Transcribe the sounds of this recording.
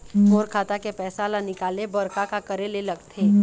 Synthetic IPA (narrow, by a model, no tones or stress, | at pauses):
moːɾkʰaːt̪akepɛːsalanɪkaːlebɐɾkakakɐɾelelɐɡt̪ʰeː